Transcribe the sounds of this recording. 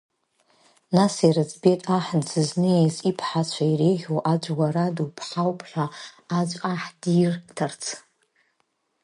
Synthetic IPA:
nasirɨt͡sʰʼbetʼaħnd͡zɨznɨjezʼipʰħat͡ʃʷʰairejʁʲoʔad͡ʒʷɡʷaɾadupʰħawpʰʼħʷᶣaad͡ʒʷʼaħdirtʰart͡sʰ

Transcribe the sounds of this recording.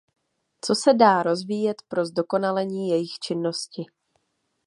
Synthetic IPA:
t͡so̞sɛdaːɾo̞zviːjɛt̪pɾo̞zdo̞ko̞nalɛɲiːjɛjɪxt͡ʃɪnːo̞scɪ

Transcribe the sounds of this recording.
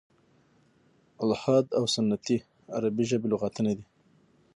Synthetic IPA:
alhɑd̪awsʊnːat̪i | a̰ɾabiʒəbeloɣɑt̪əned̪i

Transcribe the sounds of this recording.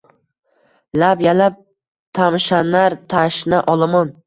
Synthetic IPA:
lapjalap̚ | t̪ʰamʃanaɾt̪ʰaʃnaʔɒlˠamɒn

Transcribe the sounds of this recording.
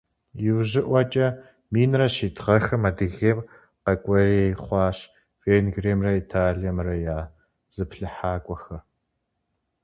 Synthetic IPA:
jɪwʑɪʔʷɐt͡ʃʼɐ | miːnrɐɕiːtʁɐxɐmɐdɨɣeːm | qɐkʷʼɔreːχʷɑːɕ | veːnɡreːmrɐitʰaːɮijɐmrɐjaː | z̥ɨpɬɨħaːkʷʼɔxɐr

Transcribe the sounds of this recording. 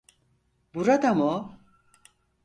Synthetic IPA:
buɾad̪amo

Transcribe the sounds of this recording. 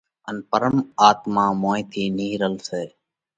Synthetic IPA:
ənpəɾəmaːt̪mãːmõːĩt̪ʰiːniːɾəlseː

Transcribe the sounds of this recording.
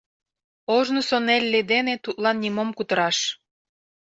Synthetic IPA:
oʒnosonelʲːed̪enet̪ut̪̚lɑnːimomkut̪ə̆ɾɑʃ

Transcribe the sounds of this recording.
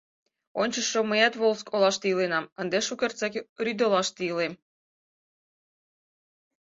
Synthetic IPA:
onʲt͡ɕə̆ʃːoməjæt̪βolˠskʰolˠɑʃt̪ilenɑmənd̪eʃukʲert͡sækryd̪olɑʃt̪iəlem

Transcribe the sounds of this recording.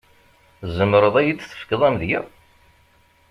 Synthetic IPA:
zəmɾˤəðˤæjit͡sːθə̥fkːəðˤæmðjæ

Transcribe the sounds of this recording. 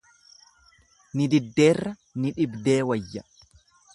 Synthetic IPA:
nɪd̪ɪd̪ːe̞ːrːɐ | nɪᶑɪbd̪e̞ːwɐjːɐ

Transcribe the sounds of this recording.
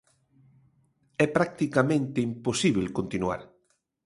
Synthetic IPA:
ɛpɾak̚t̪ikamẽnt̪eimposiβ̞elkont̪inua̰ɾ

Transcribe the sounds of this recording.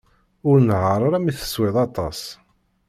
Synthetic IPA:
ʊɾnʕəɾˤaɾamiθə̥swɪðˤɑt̪ˤɑs

